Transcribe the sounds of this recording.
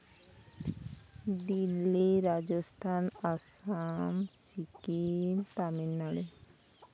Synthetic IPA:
d̪ilːiɾad͡ʒɔst̪ʰanasamsikimt̪aminːaɽe

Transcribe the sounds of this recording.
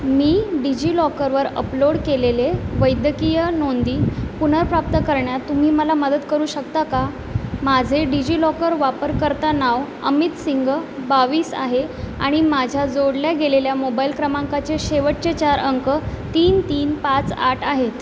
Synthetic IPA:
miːɖid͡ʑiːlɔkəɾʋəɾə̰ploɽkeleleʋəjd̪əkijənond̪iːpun̤əɾpɾap̚t̪əkəɾɳjat̪ːum̤iːməlaməd̪ət̪kəɾuːɕək̚t̪aka | mad͡zʱeɖid͡ʑiːlɔkəɾʋapəɾkəɾt̪anaʋ | ə̰mit̪siŋɡəbaʋiːsa̰ɦea̰ɽ̃imad͡ʑʱjad͡zoɽljaɡeleljamobailkɾəmaŋkat͡seɕeʋəʈ̚t͡ɕet͡ɕaɾʔəŋkət̪iːnt̪iːnpat͡saʈʰaɦet̪

